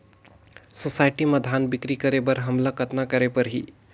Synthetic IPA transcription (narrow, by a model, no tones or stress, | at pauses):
sosaɪʈiməd̪ʱanbɪkɾikəɾebəɾɦəmlakət̪nakəɾepəɾɦi